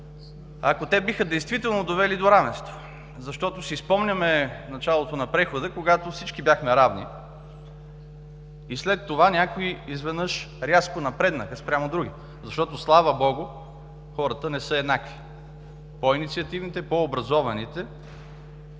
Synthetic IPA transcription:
ɐ̰kot̪ɛbixəd̪ɛjst̪vit̪ɛlˠnod̪ovɛlid̪oɾavɛ̃nst̪vo̥ | zɐʃt̪ɔt̪osispɔmnʲɐmɛnɐt͡ʃalˠot̪onɐpɾɛxod̪əkoɡat̪ofsit͡ʃkibjaxmɛɾavnḭ | islɛt̪ːovanʲakoiizvɛd̪nɤʃɾʲaskonɐpɾɛd̪nəkəspɾʲamod̪ɾuɡʲi | zɐʃt̪ɔt̪oslˠavəbɔɡʊ | xɔɾət̪ənɛsəɛd̪naki̥ | poinit̪siɐt̪ivnit̪ɛpoːbɾɐzɔvɐnit̪ɛ

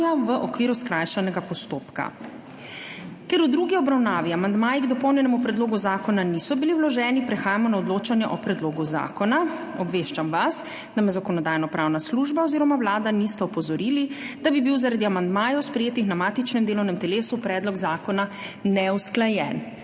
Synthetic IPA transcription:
aʋəʔɔkʋiːɾuskɾajʃanɛɡapɔst̪oːpka̰ | kɛɾud̪ɾuɡiɔbɾawnaːʋiamand̪maːjiɡd̪ɔpɔwnjɛnɛmupɾɛd̪loːɡuzaːkɔnanisɔbiliwlɔʒɛːnipɾɛxaːjamɔnaɔd̪loːt͡ʃanjɛʔɔpɾɛd̪loːɡuza̰ːkɔna | ɔbʋeʃt͡ʃamʋas | d̪amɛzakɔnɔd̪aːjnɔpɾawnasluʒbaɔziːɾɔmawlaːd̪anist̪ɛɔpɔzɔɾiːlid̪̥abibiwzaɾad̪iamand̪maːjɛwspɾɛjeːt̪ixnamaːt̪it͡ʃnɛmd̪eːlɔwnɛmt̪ɛleːsupɾɛːd̪lɔɡzaːkɔnanɛusklajɛn

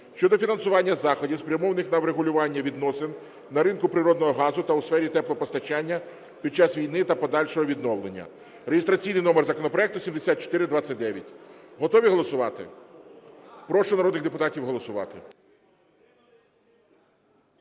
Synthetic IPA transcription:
ʃt͡ʃɔd̪ɔfʲinɐnsʊʋɑnʲːɐzɑxɔdʲiwspɾʲjɐmɔʋɐnɪxnɐwɾeɦʊlʲʊʋɑnʲːɐʋʲid̪nɔsɪn | nɐɾɪnkʊpɾɪɾɔd̪nɔɦɔɦɑzʊt̪ɐusfɛɾʲit̪ɛplˠɔpɔst̪ɐt͡ʃɑnʲːɐ | pʲid̪̚t͡ʃɑsʋʲijnɪt̪ɐpɔd̪ɑlʲʃɔɦɔʋʲid̪nɔʋlˠenʲːɐ̰ | ɾejɪst̪ɾɐt͡sʲijnɪjnɔmerzɐkɔnɔpɾɔɛk̚t̪ʊsʲimd̪esʲat̪t͡ʃɔ̥t̪ɪɾɪd̪ʋat͡sʲːɐt̚ʲd̪ɛʋʲjɐtʲɦɔt̪ɔʋʲiɦɔlˠɔsʊʋɑt̪ɪ̰ | pɾɔʃʊnɐɾɔd̪nɪɣd̪epʊt̪ɑtʲiwɦɔlˠɔsʊʋɑ̰t̪ɪ

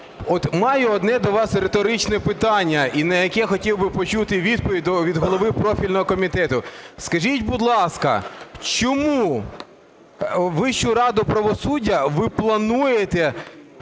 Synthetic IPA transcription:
ɔt̪mɑjɛɔd̪nɛd̪ɔʋɑsɾet̪ɔɾɪt͡ʃnɛpɪt̪ɑnʲːɐinɐjɐkɛxɔtʲiwbɪpɔt͡ʃut̪ɪʋʲid̪pɔʋʲid̪ɔʋʲid̪ɦɔlˠɔʋɪpɾɔfʲilʲnɔɦɔkɔmʲit̪ɛt̪ʊskɐʒitʲbʊd̪lˠɑskɐ̰t͡ʃɔmuu | ʋɪʃt͡ʃʊɾɑd̪ʊpɾɐʋɔsudʲːɐʋɪplˠɐnujet̪ɛ

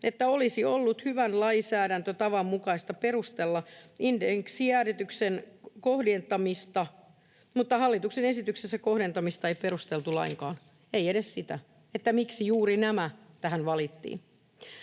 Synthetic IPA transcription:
ʔet̪ːæolisiolːut̪hyʋænlɑisæːɾænt̪øt̪ɑʋɑmmukɑist̪ɑperust̪elːɑindeŋksiæːɾet̪yksenkohdent̪ɑmist̪ɑ | mut̪ːɑhɑlːit̪uksenesit̪yksesːækohdent̪ɑmist̪ɑeiperust̪elt̪ulɑ̰iŋkɑ̰ːn | eieɾessit̪æ | et̪ːæmiksijuːɾinæmæ | t̪æhænʋɑlit̪ːḭːn

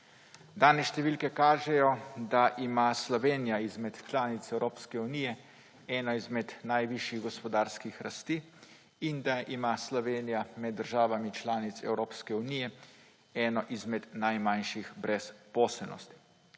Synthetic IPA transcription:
d̪aːnɛʃt̪ɛʋiːlkɛkaːʒɛjɔd̪aʔimaslɔʋeːnijaizmɛt̪t͡ʃlaːnit̪sɛwɾoːpskɛuniːjɛ | ɛːnɔizmɛd̪najʋiʃjiɣɡɔspɔd̪aːɾskixɾast̪iː | ind̪aʔimaslɔʋeːnijamɛd̪ːəɾʒaːʋamit͡ʃlaːnit̪sɛ̰wɾoːpskɛunijɛ | ɛːnɔʔizmɛd̪najmanʃixbɾɛspɔːsɛlnɔ̰st̪i̥

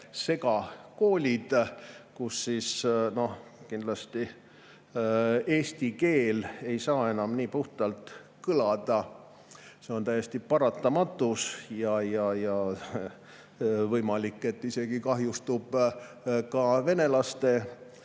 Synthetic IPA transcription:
se̞kɑko̞ːlʲid̪̥kusːisno̞hkind̪lɑst̪i | e̞ːst̪ike̞ːle̞jsɑːe̞nɑmniːpuht̪ɑlt̪ | kɯlɑd̪̥ɑ | se̞o̞nt̪æjest̪ipɑɾɑt̪ːˑɑmɑt̪ːˑusjɑjɑjɑ | vɤjmɑlikːˑe̞t̪ːise̞ɡ̥ikɑɦjust̪ub̥ | kɑve̞ne̞lɑst̪e̞

